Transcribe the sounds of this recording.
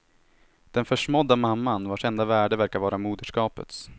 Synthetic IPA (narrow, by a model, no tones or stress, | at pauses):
d̪̥ɛnfœʂmɔd̪ːamamːanvaʂɛnd̪avæːɖəvæɾkavɑːɾamuːd̪əʂkɑːpə̰t̪s